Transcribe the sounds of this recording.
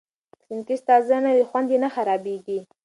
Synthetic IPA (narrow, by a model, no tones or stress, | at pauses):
sɪnkist̪ɑzanawexwand̪enaxaɾɑbeɡi